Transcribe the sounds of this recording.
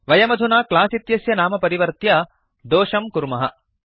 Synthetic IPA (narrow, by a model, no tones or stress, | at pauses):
ʋɐjɐmɐd̪ʱunaːklaːsit̪jɐsjɐnaːmɐpɐɾiʋɐɾt̪ja | d̪oːʂɐmkuɾmɐɦɐ̰